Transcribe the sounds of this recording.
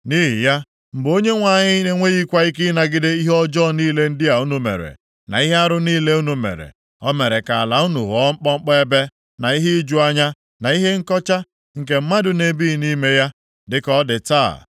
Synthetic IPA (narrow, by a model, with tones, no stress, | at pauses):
ni˦ɦɪ̰˨ja˦ | m̩˨bo˦ɲe˦ŋʷa˨ɲɪ˦ne˨ŋʷe˦ɣi˦kʷa˦ɪ˦k̬ɪ˦na˨ɡɪ˦dɪ˦i˦ɦɔ˦d͡ʒɔ˦˨niː˦le˦n̩˦dɪ˦a˨u˦nu˨mḛ˨ɾḛ˨ | na̰˨i˦ɦe˦a˦ɾʊ˦niː˦le˦u˦nu˨mḛ˨ɾḛ˨ | ɔ˦me˨ɾe˨ka˨a˨la˨u˦nu˨ɦɔ˦ŋ͡m̩˦k͡pɔ˦ŋ͡m̩˦k͡pɔ˦e˦be˦ | na˨i˦ɦe˦i˦d͡ʒu˦a˦ɲa˦ | na˨i˦ɦe˦ŋ̩˦kɔ˦t͡ʃa˦ | ŋ̩˨k̬e˨m̩˦ma˦dʊ˨ne˦bi˦˨ni˦me˦ja˦ | dɪ˦kɔ˦dɪ˨ta̰˦˨